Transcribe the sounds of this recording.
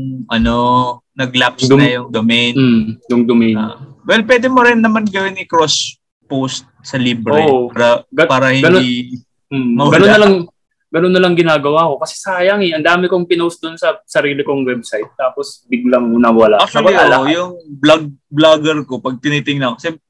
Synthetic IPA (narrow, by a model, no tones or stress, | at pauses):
ʔɐnonɐɡlapsd̪njʊŋd̪omɛjnjʊŋd̪omɛjnwɛlp̬wɛːd̪ɛmoɾɪnːɐmanɡɐwɪnɪkɾos | post̪̚sɐliːbɾoɛʔoaɾɐɡɐpaːɾɐhɪnɡɐnoi | mɐɡɐnonːɐlɐŋ | ɡɐnonːɐlɐŋɡɪnaːɡɐwako̞kɐsɛ̥saːjɐŋɛʔɐnd̪aːmɪkoŋpɪnowsd̪ʊnsɐsɐɾiːlɪkoŋwɛb̚sajt̪̚ːaːpo̞sbɪɡlɐŋʊnɐwɐlaʔlɐajʊŋblaɡ̚blaɡɛɾko̞pɐɡ̚t̪ɪnit̪ɪŋnɐkosɛm